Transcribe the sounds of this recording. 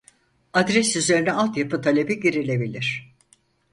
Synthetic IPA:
ad̪ɾɛsyze̞ɾinɛalˠt̪japʰɯt̪ʰalʲe̞biɟiɾilʲe̞bilʲiɾ̥

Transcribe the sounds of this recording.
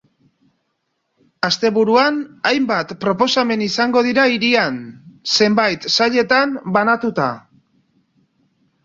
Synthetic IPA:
ast̪e̞βuɾuanajmbat̪pɾo̞po̞same̞nisaŋɡo̞ðiɾaiɾianse̞mbajt̪saʎe̞t̪anbanat̪ut̪a̰

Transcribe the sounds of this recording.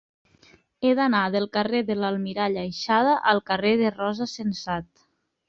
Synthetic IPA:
eðanaðəlˠkəreðəlalˠmiɾaʎajʃað̞əʔəlˠkəreðərɔzəsensat̪̚

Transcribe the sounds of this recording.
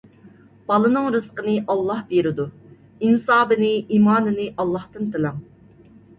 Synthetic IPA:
b̥ɑlˠɨnɨŋɾɨsqənɨʔɑlˠːɑhbeɾɪd̪u | insɑːbɨnɨʔiːmɑːnɨnɨʔɑlˠːɑht̪ɨnt̪ʰɨlˠɑm

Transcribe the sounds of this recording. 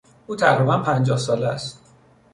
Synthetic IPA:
ʔuːt̪ʰæɣɾibænpʰænd͡ʒɒːhsɒːleæst̪

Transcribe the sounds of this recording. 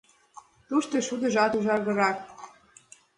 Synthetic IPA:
t̪uʃt̪eʃud̪ə̆ʒɑt̪uʒɑrɣɤ̆ɾɑk

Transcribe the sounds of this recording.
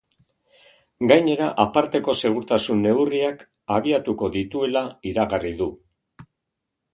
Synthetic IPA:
ɡajɲe̞ɾaʔapaɾt̪e̞ko̞se̞ɣ̞uɾt̪asunːe̞wriak | aβ̞iat̪uko̞ðit̪ue̞laiɾaɣariðu

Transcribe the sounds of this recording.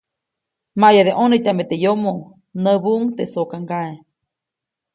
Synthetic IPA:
majaðeʔonet̪ʲamet̪ejomo | nəbuŋt̪esokaŋɡae

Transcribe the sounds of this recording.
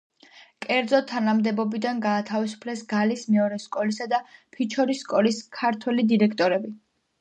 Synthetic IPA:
kʼɛɾd̪zɔt̪ʰːanamd̪ɛbɔbid̪anɡaːt̪ʰavisu̥pʰlɛsɡalismɛɔɾɛskʼɔlisad̪apʰit͡ʃʰɔɾisːkʼɔliskʰaɾt̪ʰwɛlid̪iɾɛkʰt̪ʼɔɾɛbi

